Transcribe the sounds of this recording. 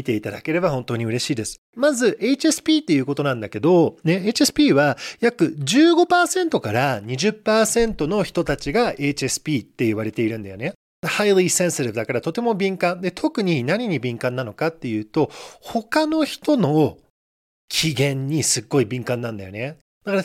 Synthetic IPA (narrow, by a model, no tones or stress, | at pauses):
it̪e̞it̪ad̪ake̞ɾe̞bahõ̞nt̪o̞ːɲ̟iɯ̟ɾe̞ɕiːd̪e̞sɨ̥mazɨʔe̞it͡ɕie̞sɨ̥pʲiːt̪ːe̞jɯ̟ːko̞t̪o̞nãnd̪ake̞d̪o̞ne̞et͡ɕiesɨ̥pʲiːβajakɯ̟d͡ʑɨːɡo̞paːsẽ̞nt̪o̞kaɾaɲ̟iʑɨpːaːsẽ̞nt̪o̞no̞çi̥t̪o̞t̪at͡ɕiɡae̞t͡ɕiesɨ̥pʲiːt̪ːe̞iβaɾe̞t̪e̞iɾɯ̟nd̪ajo̞ne̞ | d̪hailisẽ̞ɰ̃seɾɯd̪akaɾat̪o̞t̪e̞mo̞bʲĩŋkãnd̪e̞t̪ʰo̞kɯ̟ɲ̟inaɲ̟iɲ̟ibʲĩŋkãnːano̞kat̪ːe̞jɯ̟ːt̪o̞ho̞kano̞çi̥t̪o̞no̞ | kʲʰiɡẽ̞ɲ̟ːisɨɡːo̞ibʲĩŋkãnːãnd̪a̰jo̞̰ne̞ | d̪̥akaɾa